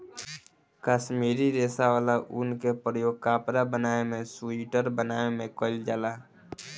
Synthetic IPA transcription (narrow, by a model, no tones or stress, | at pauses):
kaːʃmiːɾiɾeːsaʋaːlaʔʊnkepɾəjoːɡ̚kaːpɾabənaːemẽsʊiʈəɾbənaːemẽkoːɪld͡ʒaːlaː